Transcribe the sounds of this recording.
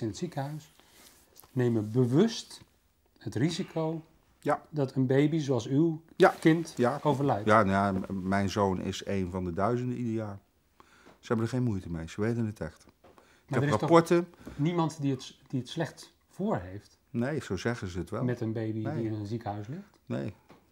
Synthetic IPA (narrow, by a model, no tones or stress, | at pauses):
ɪnətsikəɦœɥs | nejməbəʋɵst | hətrizikʰow | jadɑtənbejbizoɑlˠsywjakɪntjaowvəɹlɛjjanjamɛjnzoːnʔɪ̰sejnvɑndədœɥzəndəidejaː | səhɛbəndəχejnmujtəmejsəʋejtənətɛxt | ɪmɛdərapɔɹtənimɑntdiətd̥iətslɛχt | fʊːɹɦejft | nejsozɛɣəzəətʋɛlmɛtənbejbiiɪnənzikəɦœɥslɪxtnḛj